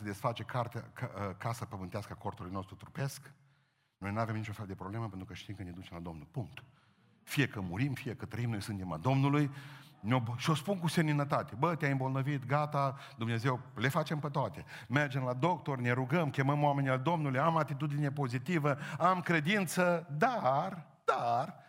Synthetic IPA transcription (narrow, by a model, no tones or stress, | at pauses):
səd̪e̞sfat͡ʃe̞kʰart̪aəkasəpəmɨnt̪easkəako̞rt̪ulujno̞st̪ɾut̪ɾupe̞sk | no̞jnuave̞mnit͡ʃofeld̪e̞pɾo̞bleməpent̪ɾukəʃt̪imkəned̪ut͡ʃe̞mlad̪o̞mnulpuŋkt̪ | fije̞kəmuɾimfije̞kət̪ɾəimno̞jsɨnt̪ema̰d̪o̞mnulujno̞bʃio̞spunkusemninət̪at̪ebət̪eajɨmbo̞lnəvit̪ɡat̪a | d̪umne̞ze̞wle̞fat͡ʃe̞mpet̪oat̪e̞me̞rd͡ʒe̞mlad̪o̞kt̪o̞rne̞ɾuɡəmkʲe̞məmowame̞niald̪o̞mnulujamat̪it̪̬ud̪ine̞po̞zit̪ivəamkɾe̞d̪int̪səd̪ar | d̪̥ar